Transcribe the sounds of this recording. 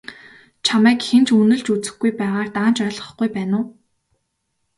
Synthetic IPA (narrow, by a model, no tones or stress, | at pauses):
t͡ɕʰamæːkxent͡ɕʰunɘ̆ɮt͡ɕut͡sɘ̆xɡujpæːʁaːrt̪aːnt͡ɕœːɮʁə̥̆χɡ̥ujpæːnʊː